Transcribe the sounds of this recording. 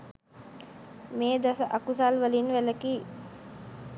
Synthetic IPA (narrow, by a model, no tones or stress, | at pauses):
meːd̪asəʔakus̬alʋəlinʋæləkiː